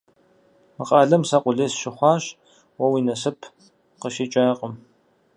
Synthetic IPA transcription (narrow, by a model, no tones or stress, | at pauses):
mɨqʼɑːɮɐmsɐqʷʊɮeːsʃɪχʷɑːɕ | wɐwiːnɐsɨpʰ | qəʃiːt͡ʃʼaqʼəm